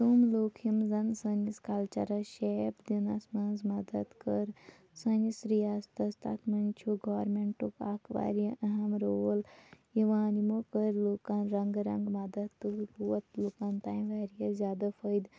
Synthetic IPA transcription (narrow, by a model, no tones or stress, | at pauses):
t̪umloːkʰimzɐnsɐniskaːlt͡ʃɐɾɐʃeːpd̪inɐsmɐnzmɐd̪ɐt̪kəɾ | sɐnisɾijaːst̪ɐst̪a̰t̪ʰmɐnt͡ʃʰuɡaːɾmeɳʈukaːkʰʋa̰ːɾjiʔɐɦɐmɾoːljiʋãːnimokəɾloːkanɾɐŋɡɾɐ̰ŋɡmɐd̪ɐt̪ːɨbuɐt̪loːkaːnt̪aːjmʋaːɾijɐzʲjaːd̪afəjd̪